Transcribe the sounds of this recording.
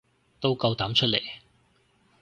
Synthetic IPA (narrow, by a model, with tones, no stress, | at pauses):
t̪o˥wkɐ˧wt̪aː˨˥mt͡ʃʰɵ˥lḛ˨˩j